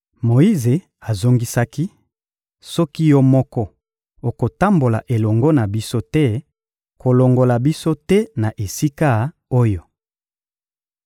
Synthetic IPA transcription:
mo˨i˦ze˨ | a˨zo˦ŋɡi˦sa˦ki˦ | sɔ˦ki˦jɔ˦mɔ˦kɔ˦ | o˨ko˨ta˦mbo˨la̰˨ʔe˨lɔ˨ŋɡɔ˦na˨bi˦so˦tɛ˦ | ko˨lo˨ŋɡo˨la˨bi˦so˦tɛ˦na˨ʔe˨si˦ka˦ | o˦jo˨

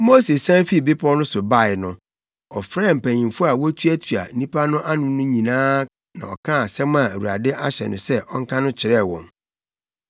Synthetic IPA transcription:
mo˦se˨sã˦mfi˦˨bɪ˦pʰɔ˦nʊ̃˦sʊ˨ba˦˨ɪ˨nʊ̃˨ | ɔ˨fɾɛː˦˨m̩˨pæ̃˨ɲĩ˨mfʊ˦a˨wɔ˦tʰu˦æ˦tʰu˨a̰˨˦nĩ˦pʰa˦nʊ̃˦ʔa˦nʊ̃˦nʊ̃˦ɲĩ˨nãː˦ | nã̰˨ɔ˨kʰã˦a˨sɛ̃˦mã˨æ˨wu˨ɾa̰˨dɪ˦ʔa˦ɕɛ̰˨nʊ̰̃˨sɛ˦ʔɔ˦ŋ̩˦kʰã˦nʊ̃˦t͡ɕʰɪ˨ɾɛ˦˨wɔ̃˨n

